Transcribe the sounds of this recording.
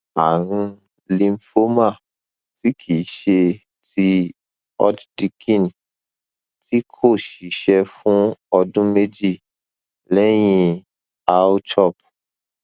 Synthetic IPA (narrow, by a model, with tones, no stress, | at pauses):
a˨ɾ̃ũ˧ | lĩ˧m˦fo˦ma˦˨ | ti˦kʰi˨˦ʃe˧ | tʰi˧ | ɔ̰˦d͡ʒdi˧kĩ˦˨n | ti˦kʰo˦˨ʃi˨˦ʃɛ˧fũ˦ɔ˧dũ˦me˦d͡ʒi˦˨ | lɛ˦j̃ĩ˧ | a˧˦o˦t͡ʃɔ˦˨p̚